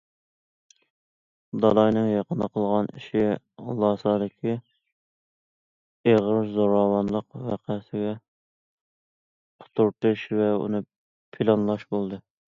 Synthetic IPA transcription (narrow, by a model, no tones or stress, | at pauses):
d̪ɑlˠɑjnɨŋjɑqənɨqʰəlˠʁɑnḭʃi | lˠɑsɑd̪ɪkʲʰi | eʁəɾzoɾɑwɑnlˠəqwæqʰæsɪɡʲɛ | qʰʊ̥t̪ʰuɾt̪ɨʃvɛṵnɨ | pʰilˠɑnlˠɑʃbolˠd̪ɨ